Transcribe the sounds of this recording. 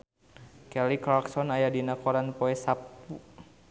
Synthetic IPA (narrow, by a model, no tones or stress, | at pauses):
kɛliklaksɔnajadinakɔɾanpɔɛsapu